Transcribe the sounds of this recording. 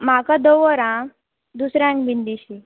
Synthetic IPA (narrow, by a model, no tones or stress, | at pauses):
m̤akãd̪oʋɔɾã | d̪usɾjãŋkbind̪iɕi